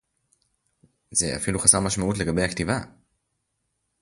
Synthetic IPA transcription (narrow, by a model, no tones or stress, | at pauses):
zḛa̰filuχasaʁmaʃmaʔutleɡabejhaktiva